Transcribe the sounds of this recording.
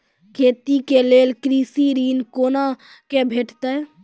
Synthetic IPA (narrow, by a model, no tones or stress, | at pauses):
kʰeːt̪ikeleːlkɾiːsiɾiːnkoːna | kebʱeːʈt̪e